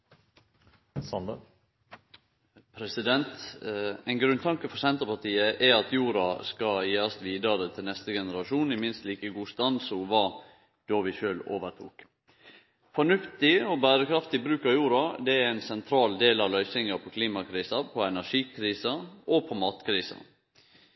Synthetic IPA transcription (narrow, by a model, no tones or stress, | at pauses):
sɑnd̪ə | pʰɾɛsɪd̪ɛnt̪ɛɪnɡɾʉnt̪ʰɑŋkəfɔɾsɛnt̪əpɑʈ̪iːəʔɛɑt̪juːɾɑskɑjeːɾɑst̪ʋiːd̪əɾət̪ʰɪlnɛst̪əɡɛnəɾɑʃuːnɪmɪnst̪liːkəɡuːst̪ɑnsuʋɑː | d̪̥ɔʋɪʃøːlo̰ːʋəʈʰṵːk | fɔɳʉft̪ɪɔbæːɾəkʰɾɑft̪ɪbɾʉːkɑʋjuːɾɑd̪ɛæɾæɪnsɛnt̪ʰɾɑːld̪eːlɑʋlœʏsɪŋɑpʰɔkʰliːmɑkʰɾiːsɑpʰɔɛnæʂiːkʰɾiːsɑʔɔpʰɔmɑːt̪kʰɾiːsɑ̰